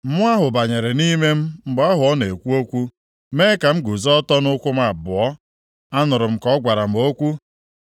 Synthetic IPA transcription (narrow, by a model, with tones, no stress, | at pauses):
m̩˦mʊ˦a˦ɦʊ˨ba˨ɲe˨ɾe˨ni˦me˦m̩˦m̩˨ɡ͡ba˦ɦʊ˨ɔ˦ne˨kʷu˦o˦kʷu˦ | me˦ka˨m̩˦ɡu˨zɔ˦tɔ˦nʊ˦kʷʊ˦m˦a˨bʊ˨ɔ˦ | a˦nʊ˨ɾʊ˨m̩˦kɔ˨˦ɡʷa˨ɾa˨m̩˨o˦kʷu˦